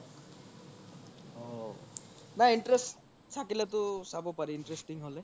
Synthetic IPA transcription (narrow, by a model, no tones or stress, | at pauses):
o | naiɳʈɾesʈ | sʰakilet̪usabopaɾiːɳʈɾesʈiŋɦole